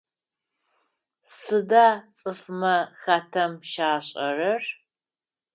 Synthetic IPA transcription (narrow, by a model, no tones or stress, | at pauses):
sɨdaːt͡sʼɨfmɐxaːtʰɐmʃaːɕʼɐrɐr